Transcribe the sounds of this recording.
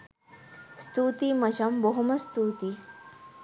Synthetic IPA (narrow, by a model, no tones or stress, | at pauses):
st̪uːt̪imɐʃɐmboɦumɐst̪uːt̪i